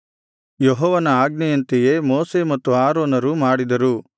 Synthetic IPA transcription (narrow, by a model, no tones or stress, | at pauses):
jɔɦɔːʋɐnɐaːɡnɛjɐnt̪ejemoːsemɐt̪ːuaːɾoːnɐɾumaːɽid̪ɐɾu